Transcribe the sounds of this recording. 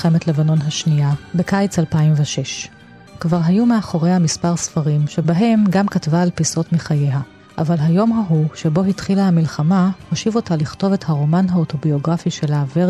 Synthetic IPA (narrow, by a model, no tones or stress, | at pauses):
e̞metle̞vano̞nɦaʃniabe̞kajt͡salpaimveʃe̞ʃ | kvaʁɦajumeaχoʁejhamispaʁsfaʁimʃe̞baɦe̞mɡamkatvaːlpiso̞tmiχaje̞ɦa | ʔa̰valɦajo̞mɦaɦuʃe̞bo̞ɦitχilahamilχamahoʃivo̞taliχto̞ve̞thaʁo̞manɦao̞to̞bio̞ɡʁafiʃelaːve